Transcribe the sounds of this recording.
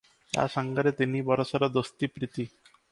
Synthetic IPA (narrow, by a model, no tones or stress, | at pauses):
t̪a̰ʃaŋɡaɾet̪inibɔɾoʃaɾad̪ost̪ipɾit̪i